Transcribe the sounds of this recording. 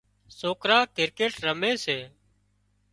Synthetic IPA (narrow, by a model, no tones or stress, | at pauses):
soːkɾaːkɪɾkeːʈɾəmeːseː